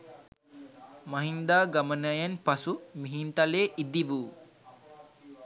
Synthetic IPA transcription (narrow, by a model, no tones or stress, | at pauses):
maɦind̪aːɡamənəjanpasumiɦint̪aleːʔid̪iʋuː